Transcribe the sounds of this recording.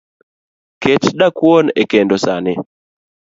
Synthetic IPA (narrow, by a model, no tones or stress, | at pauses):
ket͡ʃɗakwonekendɔsanɪ